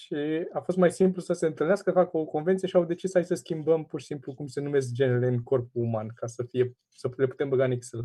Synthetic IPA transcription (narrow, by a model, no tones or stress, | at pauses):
ʃiafo̞st̪majsimplusəse̞ɨnt̪ɨlneaskəfakəoko̞nvent̪sijeʃiawd̪e̞t͡ʃisajsəskʲimbəmpurʃi̥simplukumse̞nume̞s̬k̚d͡ʒe̞neleɨnko̞rp̚uːmankasəfije̞ | səle̞pu̥t̪e̞mbəɡaniksel